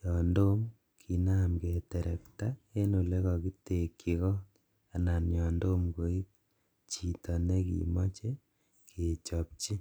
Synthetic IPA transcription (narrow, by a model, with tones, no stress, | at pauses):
jɔ˨ndo˦m | kʰi˨na˦mke˨tɛ˨ɾʔɛ˨kta˦e˦no˨le˦kɔ˨ki˦te˨kːi˨kɔ˦ | a˨na˨njɔ˨ndo˦mko˨i˦ | t͡ʃi˨tɔ˨ne˦kḭ˨mo˦t͡ʃe˦ | kʰe˨t͡ʃɔ˨p̚t͡ʃi˦